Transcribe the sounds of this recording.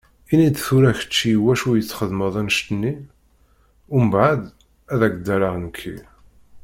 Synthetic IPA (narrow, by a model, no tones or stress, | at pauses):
inid̪θuɾæçə̥t͡ʃːiwæʃujət͡sːχəðməðˤænʃt̪ənːi | ʊməbʕəd̪ | æðæɡd̪ːæɾəʁnəkʰːḭ